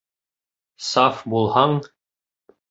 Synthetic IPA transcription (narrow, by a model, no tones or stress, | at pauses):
sɑfbulˠhɑɴ